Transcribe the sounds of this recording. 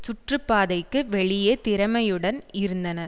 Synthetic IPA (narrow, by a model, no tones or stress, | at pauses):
sʊʈrɯpːaːðɐɪkːɯʋɛɭɪjɐt̪ɪɾɐmɐjɯɽɐnɪɾɯnd̪ɐnɐɾ